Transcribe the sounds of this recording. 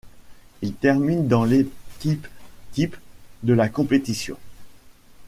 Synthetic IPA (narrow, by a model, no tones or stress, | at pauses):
ilt̪ɛʁmind̪ɑ̃lekʲipkʲipd̪əlakɔ̃pet̪isjɔ̰̃